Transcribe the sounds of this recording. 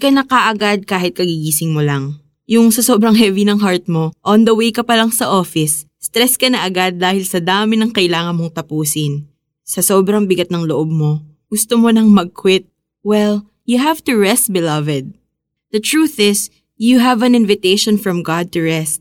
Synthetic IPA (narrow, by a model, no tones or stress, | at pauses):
kɐnɐkɐʔɐɡad̪̚kaːhɪt̪̚kɐɡiɡiːsɪŋmolɐŋ | jʊŋsɐsoːbɾɐŋɦɛvinɐŋɦaɹt̪̚mo̞ʔɔnd̪ɐwejkɐpɐlɐŋsɐʔo̞ːfɪsː | t̪ɾɛskɐnɐʔɐɡad̪̚ːaːhɪlsɐd̪aːmɪnɐŋkɐʔɪlaːŋɐnmo̞ŋt̪ɐpuːsɪn | sɐsoːbɾɐŋbɪɡat̪̚nɐŋloʔob̚mo̞ | ɡ̥ʊst̪omo̞nɐŋmɐɡ̚kʰwɪt̪̚ | wɛl | jʊɦavt̪uɹɛst̪̚bɪlɐvɛd̪̚ | d̪̥ɐt̪ɹuːθɪs | juɦɐvɐ̃nɪnvɪt̪ejʃonfɹɐmɡad̪̚t̪ʊɹɛst̪̚